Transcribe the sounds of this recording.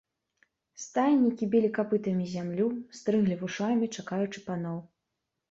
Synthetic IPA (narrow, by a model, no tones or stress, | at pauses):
st̪ajʲnʲikʲibʲilʲikapɨt̪ɐmʲizʲamlʲust̪ɾɨɣlʲivuʂamʲit͡ʂakajut͡ʂɨpanɔw